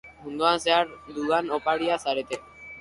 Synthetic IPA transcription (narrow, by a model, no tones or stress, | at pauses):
mũnd̪uanseaɾd̪uɣanopaɽiasaɾet̪e